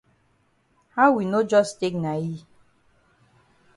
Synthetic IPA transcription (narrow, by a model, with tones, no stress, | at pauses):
ha˦wi˨no˦d͡ʒɔ˦ste˦kna˨ji˦